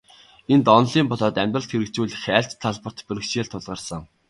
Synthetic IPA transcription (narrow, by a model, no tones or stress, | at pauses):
ent̪ɔnɮiːmpɔɮɔːt̪æmʲt̪rə̆ɬt̪xeɾɘ̆kt͡suːɮxæːɬt͡ɕt̪ʰːaɮpə̆r̥t̪pɵɾɘ̆kt͡ɕeːɮt̪ʰːʊɮʁə̆rsə̆ŋ